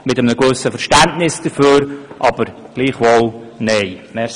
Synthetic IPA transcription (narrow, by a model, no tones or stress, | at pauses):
mɪtəmnəɡɵsəfəɾʃtæntnɪsd̥əføːɾʔɑb̥əɾɡ̥liːχvolnɛɪmɛ